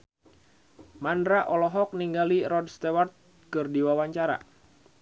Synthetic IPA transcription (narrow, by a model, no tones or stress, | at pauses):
mandɾaʔɔlɔɦɔk̚niŋɡaliɾɔd̚st̪ewart̪̚ | kɨrdiwawaɲt͡ʃaɾa̰